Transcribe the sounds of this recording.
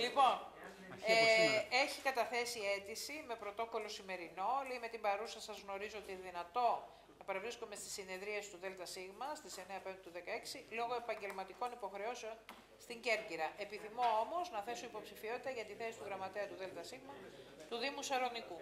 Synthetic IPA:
lipo̞n | e̞çikɐt̪ɐθe̞sie̞t̪isime̞pɾo̞t̪o̞ko̞lo̞sime̞ɾino̞leime̞t̪ibɐɾusɐsɐzɣno̞ɾizoot̪inðinɐt̪o̞ | nnɐpɐɾɐvɾisko̞me̞st̪i̥sine̞ðɾiɐsi̥t̪uðe̞lt̪ɐsiɣmɐst̪ise̞ne̞ɐpend̪t̪uðe̞kɐe̞ksilo̞ɣo̞e̞pɐɲɟe̞lmɐt̪iko̞nipo̞xɾe̞o̞seo̞n | st̪iɲɟe̞ɾciɾɐʔe̞piθimo̞o̞mo̞znɐθe̞so̞ipo̞psifio̞t̪it̪ɐʝɐt̪iθe̞si̥t̪uɣɾɐmɐt̪e̞ɐt̪uðe̞lt̪ɐsiɣmɐ | t̪uðimusɐɾo̞niku

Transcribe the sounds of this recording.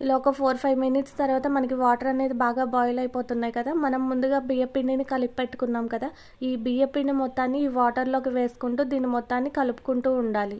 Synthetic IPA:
lɔːkɐpʰoːɾpʰɐjʋminiʈst̪ɐɾʋaːt̪ɐmɐnɐk̬iʋaːʈɐɾɐne̞ːd̪ibaːɡaːbaːjɐlɐjipo̞ːt̪unːaːjikɐd̪aːmɐnɐmːund̪uɡaːbijepːininikɐlippeʈːu̥kunːaːmkɐd̪a | iːbiːjepːiːnimɔt̪ːaːnːiiːʋaːʈɐɾlo̞ːkiʋeːsu̥kuɳʈuːd̪iːnimɔt̪ːaːnːikɐlupu̥kuɳʈuːɳɖaːli

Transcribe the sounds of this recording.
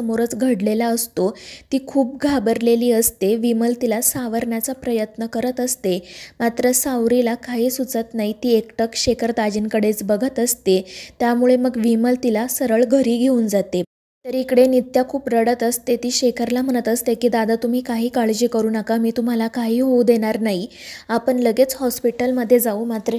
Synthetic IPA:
əmoɾət͡sɡʱəɽlelaəst̪ot̪iːkʰuːp̚ɡʱabəɾleliːəst̪eʋiməlt̪ilasaʋəɾɳjat͡sapɾəjət̪nəkəɾət̪əst̪emat̪ɾəsawɾilakaɦiːsut͡sət̪nait̪iːekʈəkɕekʰəɾt̪ad͡ʑinkəɽet͡sbəɡʱət̪əst̪et̪jamuɭeməɡʋiməlt̪ilasəɾəɭɡʱəɾiːɡʱeuːnd͡zat̪e | t̪əɾikɽenit̪jakʰuːpɾəɽət̪əst̪et̪iːɕekʰəɾlam̤əɳət̪əst̪ekiːd̪ad̪at̪um̤iːkaɦiːkaɭd͡ʑiːkəɾuːnakamiːt̪um̤alakaɦiːɦowd̪eɽ̃aɾnaɦi | apəɳləɡet͡shɔspiʈəlməd̪ʱːjed͡zaumat̪ɾə

